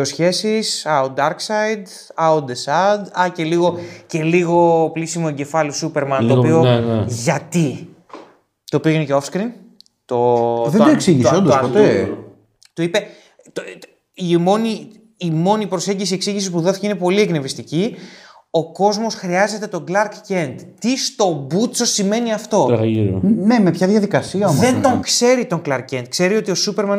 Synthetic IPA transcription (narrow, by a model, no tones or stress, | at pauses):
osçe̞sisɐod̪ɐɾksɐjd̪ | ɐod̪esɐd̪ɐce̞liɣo̞ce̞liɣo̞plisimo̞eɲɟe̞fɐlisupeɾmɐnopio̞ʝɐt̪i | t̪oːpioineceofskɾin | t̪oðed̪oeksiʝiseond̪ospoe | t̪uipe̞ | t̪ | imo̞niː | mo̞nipɾose̞ɲɟis̬ie̞ksiʝisispuðo̞θi̥ceinepo̞liekne̞vist̪ici | o̞ko̞zmo̞sxɾiɐze̞t̪e̞t̪o̞ɡlɐɾkce̞nd̪t̪ist̪o̞but͡so̞sime̞niɐft̪o̞̰ | ne̞me̞pçɐðjɐðikɐsiɐomðe̞nd̪o̞ŋkse̞ɾit̪o̞ŋklɐɾkcend̪̚kse̞ɾio̞t̪io̞supe̞ɾmɐn